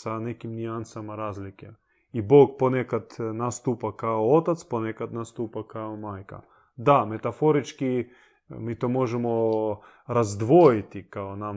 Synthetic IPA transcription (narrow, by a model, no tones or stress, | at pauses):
sanɛkimnʲiansamaɾazlikɛ | iboɡ̚ponɛkad̪nast̪upakaoot̪at̪sponɛkad̪nast̪upakaomajka̰ | d̪amɛt̪afoɾit͡ʃki | mit̪omoʒɛmo | ɾazd̪ʋojit̪ikaona